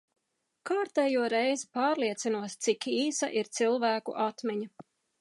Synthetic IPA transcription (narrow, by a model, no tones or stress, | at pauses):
kaːɾt̪ɛːjuɔɾɛjzipaːɾliɛt̪sinuɔt̪t̪sikiːsɐ̰ʔiɾt̪silˠvæːkṵʔat̪mɛɲa